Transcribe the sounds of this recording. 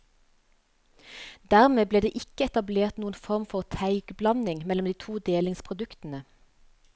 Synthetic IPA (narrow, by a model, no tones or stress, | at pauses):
d̪̥æʁmeːbleːd̪ḛːʔɪkəɛt̪ɑbleːʁt̪nuːən̩fɔʁmfɔʁt̪ʰæɪɡ̥blɑnɪŋmɛlɔmd̪iːt̪ʰuːd̪eːlɪŋspʰʁʊd̪ʉkt̪n̩ə